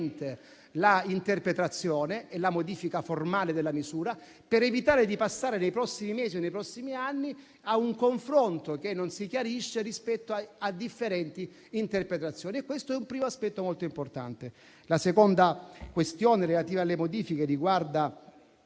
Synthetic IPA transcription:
nt̪e | laint̪erpɾet̪ɾat̪sːjoːneʔɛlamod̪iːfikaformaːled̪elːamizuːɾa | peɾevit̪aːɾed̪ipasːaːɾenejpɾɔsːimimeːzionːejpɾɔsːimianːi | auŋkoɱfɾont̪okenːonsikjaɾiʃːerispɛt̪ːoaad̪ːifːeɾɛnt̪i | int̪erpɾet̪ɾat̪sːjoːniɛkːwest̪oɛumpɾiːmoaspɛt̪ːomolt̪oimport̪a̰nt̪e | lasekond̪akwest̪joːneɾelat̪iːvalːemod̪iːfikeriɡward̪a

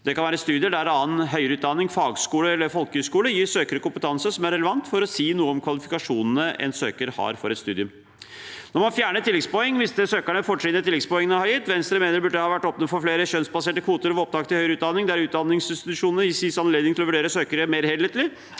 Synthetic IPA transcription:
d̪̥ɛkʰɑnæːɾəɛst̪ʉːd̪ɪəɖɛæɾɑːənɦœʏɾəʉːt̪d̪ɑnːɪŋfɑːɡskuːləɛlːəɾfɔlkəhœskuːləjiːɾsøːkəɾəkʊmpət̪ʰɑnsəsɔmæɾɛləʋɑnt̪fɔɾɔsiːnuːəɔmkʰʋɑlɪfɪkɑʂuːnnəʔɛ̰nsøːkəɾhɑ̰ɾfɔɾɛt̪st̪ʉ̰ːd̪ɪʉm | nɔɾmɑnfjæːɳət̪ɪlːɛɡspɔɛŋːʋɪst̪əsøːkæɳəfɔʈʂɪnət̪ʰɪlɛɡ̪spɔɛŋːənəhɑjɪt̪ːʋɛnst̪ɾəmeːnəɾbʉɖəɛhɑːʋæʈːɔpnəfɔɾfleːɾəɕœnsbɑseːʈəkʰʋuːt̪əɾɔʋɔp̚t̪ʰɑːk̚t̪ʰɪhœʏɾʉːt̪d̪ɑnːɪŋd̪ɛæɾʉːt̪d̪ɑnːɪŋsɪnst̪ɪt̪ʉʂuːnəjɪsisɑnleːd̪ɪŋt̪ɪlɔʋʉɖeːɾəsøːkəɾəmeːɾhɛeːt̪lɪ

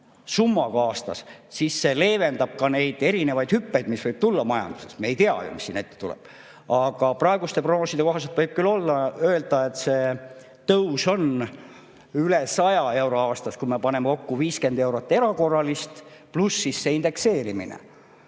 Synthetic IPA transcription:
sumːɑkɑːst̪ɑ̰ssisːe̞le̞ːve̞nd̪ɑb̥̚kɑne̞jd̪e̞ɾine̞vɑjd̪hypːejd̪misvɤjb̥̚t̪ulːɑmɑjɑ̰nd̪̥u̥sesmeejt̪iɑ̰jo̰misːiːne̞t̪ːet̪ulɛ̰b̥ | ɑɡ̥ɑprɑe̞ɡust̪e̞proɡnosid̪e̞ko̞ɦɑs̬et̪vɤjb̥̚kylːo̞lːɑø̞eld̪̥ɑe̞t̪se̞ː | t̪ɤwso̞n | ylesɑjɑe̞wɾo̞ɑːst̪ɑskume̞pɑne̞mːeko̞kːuviːske̞nd̪e̞wɾot̪ːˑe̞ɾɑko̞rːɑlist̪plusːisːeːind̪̥e̞kse̞ːɾimḭnḛ

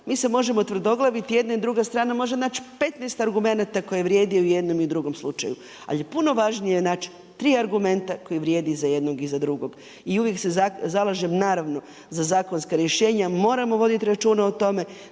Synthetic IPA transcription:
miːse̞mo̞ʒe̞mo̞t̪ʋr̩d̪o̞ɡlˠaʋit̪ijed̪naid̪ɾuɡast̪ɾaːnamo̞ʒe̞naːt͡ʃpe̞t̪naest̪aɾɡume̞nat̪ako̞jeʋɾje̞ːd̪iuje̞d̪no̞miud̪ɾuɡo̞mslˠut͡ʃa̰ju | a̰ljepuno̞ʋaʒnijenaːt͡ʃ | t̪ɾiːaɾɡume̞nt̪ako̞jiʋɾje̞ːd̪izaje̞d̪noɡizad̪ɾuɡo̞ɡ̥ | iuʋje̞kseazalˠaʒemnaːɾaʋno̞ | zazaːko̞nskaɾjeʃe̞ːɲamo̞ːɾamo̞ʋo̞d̪it̪iɾat͡ʃuːnaot̪o̞me̞

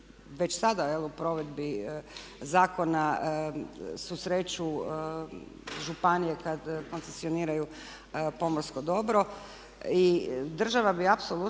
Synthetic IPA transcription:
ʋe̞t͡ɕsad̪ajelupɾo̞ʋe̞d̪bi | zaːko̞na | susɾeːt͡ɕu | ʒupanijekad̪ko̞nsesio̞niːɾaju | po̞moɾskod̪o̞bɾo̞ | id̪r̩ʒaʋabiapsolu

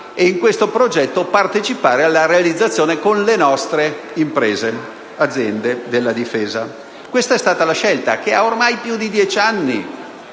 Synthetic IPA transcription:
eiŋkwest̪opɾod͡ʒɛt̪ːopart̪et͡ʃipaːɾealːaɾealid̪zːat̪sːjoːnekonlenɔst̪ɾe | impɾeːze | ad̪zːjɛnd̪ed̪elːad̪ifeːza | kwest̪aɛst̪aːt̪alaʃɛlt̪a̰keaormajpjud̪id̪jɛt͡ʃanːi

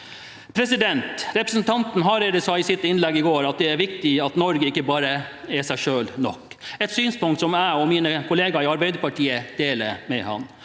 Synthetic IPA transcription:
pʰɾɛsɪd̪ɛnt̪ɾɛpɾəsn̩t̪ʰɑnt̪n̩ɦɑɾɛd̪əsɑɪsɪt̪ːɪnlɛɡːɪɡoːɾɑt̪̚d̪ɛæɾʋɪkt̪ɪɑt̪nɔɾɡəɪkːəbɑːɾəɛsæɪʂøːlnɔ̰kːɛt̪syːnspʊŋkt̪sɔmæɪɔmiːnəkʰʊleːɡɑɪɑɾbæɪd̪əɾpɑʈʰiːəd̪̥eːləɾmɛhɑ̰n

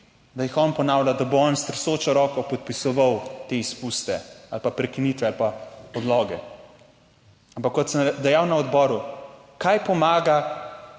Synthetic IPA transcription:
d̪ajixɔnpɔnawlʲad̪aboɔnst̪ɾɛsoːt͡ʃɔɾɔːkɔpɔt̪̚pisɔʋawt̪eːispust̪ɛalpapɾɛkiniːt̪ʋɛalpaɔd̪lɔɡɛ | ampakːɔt̪sənd̪ɛjawnaɔd̪bɔːɾukajpɔmaːɡa

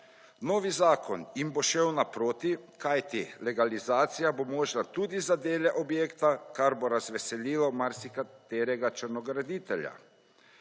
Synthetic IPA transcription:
noːʋizaːkʰɔnjimboʃɛwnapɾoːt̪ikajt̪ilɛɡalizaːt̪sijabomoːʒnat̪uːd̪izad̪eːlɛʔɔbjeːkt̪akaɾboɾazʋɛsɛliːlɔmaɾsikat̪eːɾɛɡat͡ʃəɾnɔɡɾad̪it̪ɛlja̰

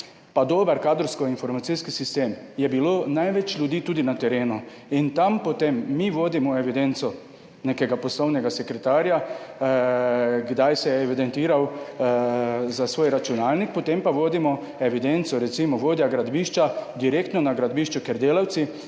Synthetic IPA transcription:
pad̪oːbɐɾkaːd̪ɾɔwskɔinfɔɾmat̪siskisist̪eːmjɛbiloːnajʋɛt͡ʃlʲud̪iːt̪uːd̪inat̪ɛɾeːnu | int̪ampot̪emːiʋoːd̪imɔeʋid̪ent̪sɔ | neːkɛɡapɔslownɛɡasɛkɾɛt̪aːɾja | ɡd̪ajsɛjɛːʋid̪ent̪iːɾaw | zasʋoːjɾat͡ʃunaːlnik̚pɔt̪empaʋoːd̪imɔ | eʋid̪ent̪sɔɾɛt̪simɔʋoːd̪jaɡɾad̪biːʃt͡ʃad̪iɾekt̪nɔnaɡɾad̪biːʃt͡ʃɔkeɾd̪eːlawt̪si

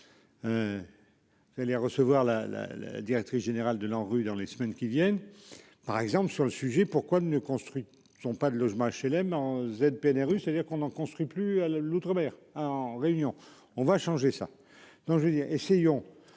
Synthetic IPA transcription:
ø | aleʁəsəvwaʁla̰la̰la̰d̪iʁɛk̚t̪χisʒ̥eneʁald̪əlɑ̃ʁyd̪ɑ̃lesəmɛnkʲivjɛn | paʁɛɡzɑ̃pləsyʁləsyʒɛpuʁkwanəkɔ̃st̪χɥi | z̥ɔ̃pad̪əlɔʒmɑ̃aʃelɛmɑ̃zɛd̪̚peɛnɛʁyset̪ad̪iʁkɔ̃nɑ̃kɔ̃st̪χɥiplyalut̪χəmɛʁaɑ̃ʁeynjɔ̃ | ɔ̃vaʃɑ̃ʒesa̰ | d̪̥ɔ̃kʒəed̪iːʁesejɔ̃

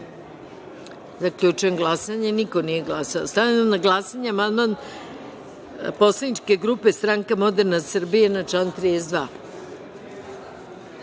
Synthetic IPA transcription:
zakʎut͡ʃuenɡlˠasaɲeniko̞nije̞ɡlasaost̪avanamnaɡlˠasaɲeamand̪man | po̞slˠanit͡ʃke̞ɡɾupe̞st̪ɾaŋkamo̞d̪eɾnasr̩bijenat͡ʃant̪ɾiezd̪ʋaː

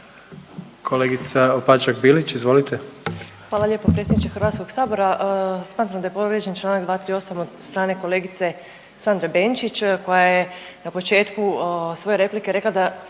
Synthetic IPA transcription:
kʰoleɡit̪saopat͡ʃakbilit͡ɕizʋo̞lit̪ʰexʋaːlalʎe̞ːpopɾetsʲjʲed̪nit͡ʃexɾʋat̪sko̞ɡsaːbo̞ɾasmaːt̪ɾamd̪ajepo̞ɾed͡ʑent͡ʃlˠaːnakɡd̪ʋaːt̪ɾio̞samod̪st̪ɾaːne̞ko̞le̞ːɡit̪se̞ | sand̪ɾabe̞nt͡ʃit͡ʃko̞jaje | napot͡ʃe̞ːt̪kusʋo̞je̞ɾe̞plike̞ɾe̞klˠad̪a

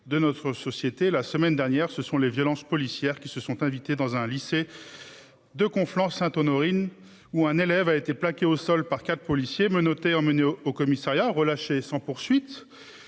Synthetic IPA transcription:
d̪ənɔt̪χəsɔsjet̪elasəmɛnd̪ɛʁnjɛʁsəsɔ̃levjɔlɑ̃spɔlisjɛʁkʲisəsɔ̃t̪ɛ̃vit̪ed̪ɑ̃zɛ̃lise | d̪əkɔ̃flɑ̃sɛ̃t̪ɔnɔʁin | uɛ̃nelɛvaet̪eplakʲeosɔlpaʁkat̪χə̥pɔlisjemənɔt̪eɑ̃məneookɔmisaʁjaʁəlaʃesɑ̃puʁsɥit̪

